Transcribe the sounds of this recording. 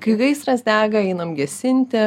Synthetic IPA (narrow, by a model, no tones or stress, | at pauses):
kɐɪɡɐɪsɾɐsd̪ʲæːɡɐɛɪnɐmɡʲɛsʲɪnʲt̪ʲɪ